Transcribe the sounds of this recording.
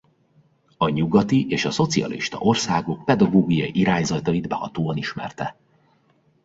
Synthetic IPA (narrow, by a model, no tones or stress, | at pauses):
ɒɲuɡɒt̪iʔeːʃɒso̞t̪siɒ̰lḭʃt̪ɒ̰ʔo̞rsaːɡo̞k̚pɛd̪ɒɡoːɡijɒjiʔiɾaːɲzɒt̪ɒjid̪bɛhɒt̪oːɒniʃmɛ̰rt̪ɛ